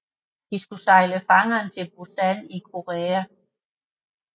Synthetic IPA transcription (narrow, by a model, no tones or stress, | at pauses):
d̥isɡ̥usɑ̈ɪləfɑ̈ŋɐːnt͡sʰe̝lb̥usænikʰo̝ʁɛːæ